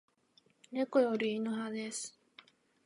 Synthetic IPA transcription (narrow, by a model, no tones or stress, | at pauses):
nekojoɾʲiːnoɦad̪esɨ̥